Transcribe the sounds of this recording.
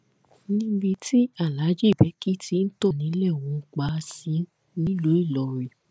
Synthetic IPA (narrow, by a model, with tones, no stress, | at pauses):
nĩ˦bi˧ti˦a˦˨la˨˦d͡ʒe˦˨bɛ˨˦ki˦tʰi˦n̩˦to˦˨nĩ˨˦lɛ˦˨wɔ̃˧k͡pa˧˦˧sĩ˨˦ | nĩ˨˦lo˨˦i˦˨lɔ˨ɾi˨